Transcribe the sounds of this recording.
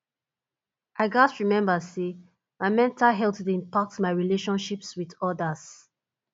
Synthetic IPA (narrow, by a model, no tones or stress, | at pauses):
ʔaɪɡastɹimɛ̃mbəse | maɪmɛ̃ntʰalɦɛltdĩmpak̚tmaɪɹileʃɔ̃nʃipswiðɔdəs